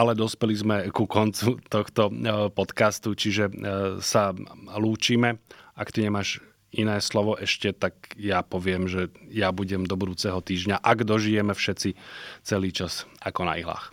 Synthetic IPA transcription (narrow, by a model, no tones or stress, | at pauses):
ʔalɛd̪ɔspɛlizmɛkukɔnt͡sut̪ɔxt̪ɔpɔt̪kast̪ut͡ʃiʒɛsaluːt͡ʃiːmɛʔakt̪iɲɛmaːʃ | inɛːslɔʋɔʔɛʃcɛt̪akjapɔʋɪɛmʒɛjabuɟɛmd̪ɔbud̪uːt͡sɛɦɔt̪iːʒɲaʔaɡd̪ɔʒijɛmɛfʃɛt͡sit͡sɛliːt͡ʃasʔakɔna̰iɦla̰ːx